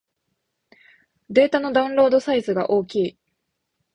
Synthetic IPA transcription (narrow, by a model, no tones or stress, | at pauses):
d̪e̞ːt̪ano̞d̪aɯ̟̃ɾo̞ːd̪o̞saizɨɡa̰ʔo̞ːkʲiː